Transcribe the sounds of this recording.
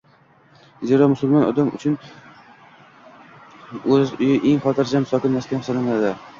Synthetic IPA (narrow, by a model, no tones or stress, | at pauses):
zeɾɒmʊsʊlˠmɒnɒ̰d̪amʊ̰t͡ʃʰʊn | ɵzʊjɪʔeŋχɒt̪ʰɪɾd͡ʒamsɒkʲɪnːask̪ʲansɒlanad̪ɪ